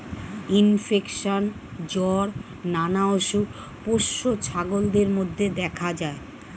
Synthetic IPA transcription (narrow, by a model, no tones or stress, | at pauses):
infekʃon | d͡ʑɔɾ | nanaoʃu | poʃːot͡ɕʰaɡold̪eɾmod̪ʱːed̪ɛkʰad͡ʑae